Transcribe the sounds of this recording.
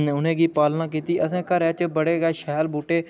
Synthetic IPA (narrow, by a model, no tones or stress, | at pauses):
ʊnẽːɡiːpaːlnaːk̬iːt̪iːʔəsẽːkəɾɛːt͡ʃbəɽeːɡɛːʃɛːlbuːʈeː